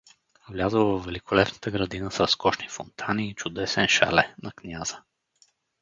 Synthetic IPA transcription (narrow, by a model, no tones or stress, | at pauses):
vlʲazəlˠvɐvːɛlikʰʊlɛpnə̥t̪əɡɾɐd̪inəsɾɐskɔʃnifʊnt̪ʰaniːt͡ʃʊd̪ɛsɛnʃa̰lɛnɐknʲazə